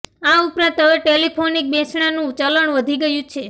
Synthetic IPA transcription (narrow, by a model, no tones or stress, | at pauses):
aupɾãt̪əʋeʈelipʰonik̚besɳanũt͡ʃələɳʋəd̪ʱiɡəjũt͡ʃʰe